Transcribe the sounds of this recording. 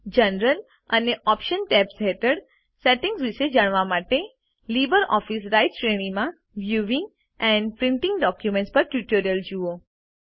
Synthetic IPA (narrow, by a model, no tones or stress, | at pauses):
d͡ʒənɾəl | əneʔɔpʃənʈɛpsɦɛʈəɽ | seʈɪ̃ŋɡsʋiʃed͡ʒaɳ̃ʋamaʈe | libəɾɔfisɾajʈʃɾeɽ̃imã | ʋjuʋɪ̃ŋɡ | ɛ̃ɳɖpɾɪ̃ɳʈɪ̃ŋɡɖɔkjumẽɳʈspəɾʈjuʈoɾjəld͡ʒuo